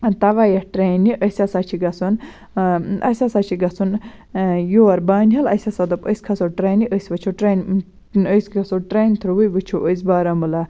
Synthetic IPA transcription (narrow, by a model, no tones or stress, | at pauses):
t̪ɐʋajɐʈɾeːniʔəsʲɐsat͡ʃʰiɡɐsun | ɐ̰sʲasat͡ʃʰiɡɐsun | joːɐɾbaːnʲɦɐlɐsʲɐsɐd̪ɐpəsʲkʰɐsoʈɾeːniʔəsʲʋɐt͡ʃʰoʈɾenʲ | əsɡɐsoʈɾeːnʲt̪ʰɾuwəjʋɨt͡ʃʰoʔəs̬baːɾɐmɨla